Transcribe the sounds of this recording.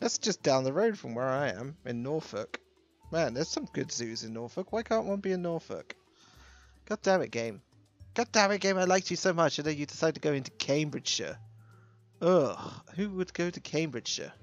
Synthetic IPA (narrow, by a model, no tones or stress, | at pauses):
ðætsd̥ʒ̥ʌsd̥ãʊ̃nðəɹoʊd̥fɹʌ̃mwə˞aɪɨ̰̃mɨ̰̃nːɔɹfʊ̰k | mæ̃nðə˞z̥sʌ̃mɡʊdzʉzɨ̃nːɔɹfəkwaɪkʰɑ̃ˑnʔwɑ̃nbiɨ̃nːɔɹfʊ̰k | ɡ̥ɑt̚d̥ãʊ̃nɨ̰ʔ̚ɡ̥ẽɪ̃m | ɡ̥ɑt̚d̥ãʊ̃nɨt̚ɡ̥ẽɪ̃maɪlaɪk̚t͡ʃɨsoʊmʌt͡ʃɨ̃ðoʊjɨdɪsaɪd̚tʰɨɡoʊɪ̃ntʉkʰẽɪ̃mbɹɨd̥ʃə̰ | ʌhʉwəd̚ɡoʊɾɨkʰẽɪ̃mbɹɨd̥ʃə̰